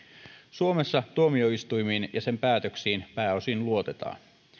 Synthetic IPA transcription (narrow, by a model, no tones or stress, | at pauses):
suo̞me̞sːɑt̪uomio̞ist̪ujmiːnjɑse̞mpæːt̪øksiːnpæːo̞sinluo̞t̪e̞t̪ɑ̰ːn